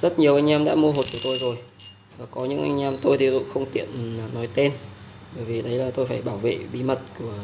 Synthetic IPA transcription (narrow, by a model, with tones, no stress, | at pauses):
zə˦˥t̚ɲi˨˩əʔa˧jŋ̟ʔɛ˧mɗa̰ː˧˥mu˧əɦo˨˩t̚ku˧˩ət̪o˧jzo˨˩j | vaː˨˩kɔ˨˦ɲɨ̰˧˥ŋʔa̰˧jŋ̟ʔɛ˧mt̪o˧jt̪ʰi˨˩zṵ˧˥ŋ͡mxə˧wŋ͡mt̪ḭ˧˨ən˨˩nːɔ˨˦jt̪e˧n | ɓəː˧˩jvi˨˩ɗə˨˦jlaː˨˩t̪o˧jfaː˧˩jɓaː˧˩wvḛ˧˨ɓi˨˧˦mə˨˩t̚ku˧˩ə